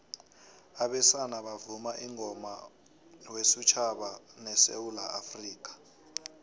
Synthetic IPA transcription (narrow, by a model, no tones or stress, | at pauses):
aɓɛsanaɓavumaʔiŋʱɔma̰ | wesut͡ʃʰaɓanɛsḛwulaʔafriːk̬ʼḁ